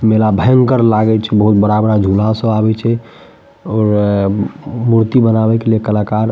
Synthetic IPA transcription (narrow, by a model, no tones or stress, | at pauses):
melabʱɛŋɡkəɾlaɡɛt͡ʃʰɛbəɦut̪̚bəɾabɾad͡ʒʱulasə̃abɛt͡ʃʰɛ | ɔɾ | muɾt̪ibənabɛkelijekəlakaɾ